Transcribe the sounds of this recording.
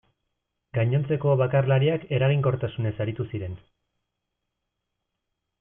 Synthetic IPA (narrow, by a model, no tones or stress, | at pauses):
ɡaɲo̞nt͡se̞ko̞βakarlaɾiake̞ɾaɣ̞iŋko̞ɾt̪asune̞saɾit̪usiɾe̞n